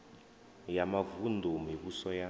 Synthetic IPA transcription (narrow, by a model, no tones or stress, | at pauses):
jamavundʱumiβusɔja